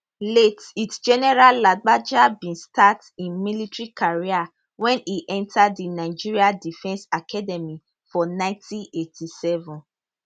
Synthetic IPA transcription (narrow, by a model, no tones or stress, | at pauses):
letitsd͡ʒɛnɛɹalːaɡ͡bad͡ʒabĩnstat | ĩnmilitɹikʰaɹia | wɛ̃niʔɛ̃ntʰaddinaɪd͡ʒiɹiadifɛ̃nsakʰadɛmi | fɔnãɪ̃ntʰĩnetʰisɛvɔ̃n